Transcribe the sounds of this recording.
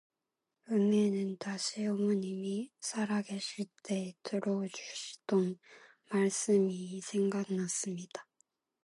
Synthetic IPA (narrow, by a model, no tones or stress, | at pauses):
ɯmenɯntaɕʰiomuɲimisʰaɾaɡeɕʰiɭt͈e̞tɯɾod͡ʑuɕʰi̥don | maɭs͈ɯmisʰe̞ŋɡanas͈ɯmɲid̥a